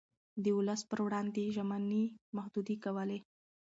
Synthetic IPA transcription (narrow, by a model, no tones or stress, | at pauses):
d̪əʊləspəɾwɽɑnd̪eʒamanimahd̪ud̪ikawəle